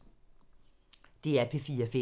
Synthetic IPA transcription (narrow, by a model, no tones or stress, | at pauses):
d̥e̝æɐpʰefiːɐfe